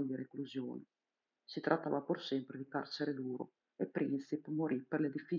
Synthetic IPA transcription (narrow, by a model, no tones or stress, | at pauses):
d̪iɾekluzjo̰ːne | sit̪ɾʔat̪ːa̰ːvapursɛmpɾed̪ikart͡ʃeɾed̪uːɾo̰ | epːɾinsipmoɾʔipːerled̪ifi